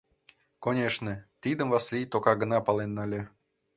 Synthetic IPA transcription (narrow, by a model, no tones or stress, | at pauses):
konʲeʂnət̪id̪əmvaslʲijt̪okɑɡə̆nɑpɑlˠenːɑlʲĕ